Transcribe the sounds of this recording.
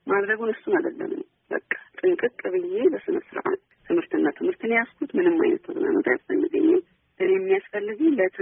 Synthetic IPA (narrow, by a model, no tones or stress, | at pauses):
mad̪ɾəɡunəsːunad̪əlːə̰mɨ̰n | bə̰kʼːḁt̪ʼɨŋkʼɨkʼːɨβɨje̞ləsɨnəsɨɾʔa̰n | t̪ʰɨmhɨɾt̪ʰɨnːat̪ʰɨmhɨɾt̪ʰɨnejaskʰut̪mɨnɨmːa̰jnə̰t̪ʰəɡona̰mət̪ʰajasfəlːɨɡə̰ɲːɛm | ʔɨnejɛmːijasfəlːɨɡɨlət̪ʰɨ